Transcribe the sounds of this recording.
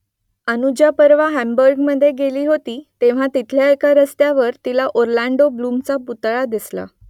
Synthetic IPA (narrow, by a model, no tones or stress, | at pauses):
ənud͡ʑjapəɾʋaɦæmbəɾɡməd̪ʱːjeɡeliːɦot̪iːt̪eʋ̤at̪it̪ʰljaekaɾəst̪jaʋəɾt̪ilaʔoɾlaɳɖoblumt͡saput̪ɭad̪isla̰